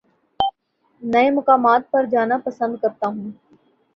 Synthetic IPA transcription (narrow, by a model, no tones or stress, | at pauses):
nɐemʊkaːmaːt̪̚pɐɾd͡ʒaːnapɐsə̃nd̪̚kɐɾt̪aɦũː